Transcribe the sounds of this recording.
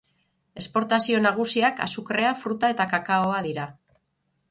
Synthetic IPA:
e̞spo̞ɾt̪asionaɣ̞usiaka̰sukre̞afɾut̪ae̞t̪akakaoaðiɾa

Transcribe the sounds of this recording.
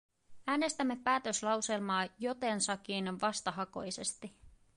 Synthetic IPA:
æːne̞st̪æmːe̞pæːt̪ø̞slɑwse̞lmɑːjot̪e̞nsɑk̟ːiːneʋɑst̪ɑɦɑko̞̰jse̞st̪i

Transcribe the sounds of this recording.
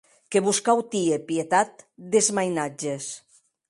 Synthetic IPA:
keβuskawt̪iepiet̪at̪̚d̪ezmajnad͡ʒes

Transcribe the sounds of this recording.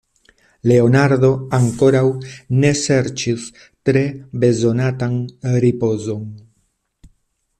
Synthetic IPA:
le̞onaɾd̪o̞aŋko̞ɾawne̞se̞ɾt͡ʃis | tɾe̞be̞zo̞nat̪anɾipo̞zo̞ŋ

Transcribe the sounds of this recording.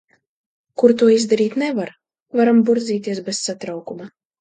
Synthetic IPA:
kuɾt̪uɔizd̪aɾiːt̪nɛvaɾ | vaɾambuɾd̪zʲiːt̪iɛsbessat̪ɾawkuma

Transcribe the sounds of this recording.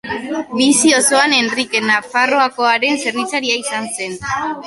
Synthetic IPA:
bisio̞so̞ane̞nrike̞nafaro̞ako̞aɾe̞nse̞ɾnit͡saɾiaisanse̞n

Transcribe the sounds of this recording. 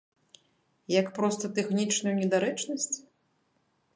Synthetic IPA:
jɐkpɾɔst̪ɐt̪ɛxnʲit͡ʂnujunʲɛd̪aɾɛt͡ʂnɐsʲt͡sʲ

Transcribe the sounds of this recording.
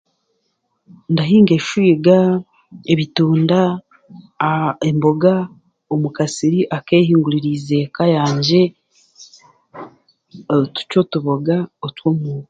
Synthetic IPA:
ndaɦiːŋɡe̞ʃuiɡa | eβituːnda | embo̞ɡa | omukasiɾiʔakeːhiːŋɡuɾiɾize̞kajaːɲɟe̞ | tu̥co̞tuβoɡaotwomuːw

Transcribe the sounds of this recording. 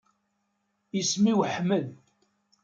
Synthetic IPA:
ismiwħməl

